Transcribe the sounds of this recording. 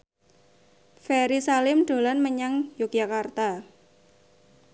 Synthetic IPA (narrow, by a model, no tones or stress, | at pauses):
fɛɾisalɪmɖ̪̥o̤lanməɲaŋjok̚jakart̪a